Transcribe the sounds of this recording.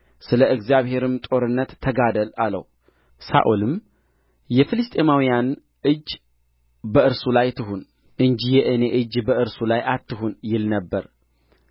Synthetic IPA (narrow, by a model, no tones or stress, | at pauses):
sɨləʔɨɡzijaβhe̞ɾɨmt̪ʼo̞ɾɨnːət̪ʰːəɡad̪əlalə̰w | sa̰ʔolɨm | jɛfɨlɨst̪ʼe̞mawijan | ʔɨd͡ʒː | bəɨɾsulajt̪ʰɨɦun | ʔɨnd͡ʒijɛʔɨne̞ʔɨd͡ʒbəʔɨɾsulajʔat̪ːɨɦunjɪlnəbːəɾ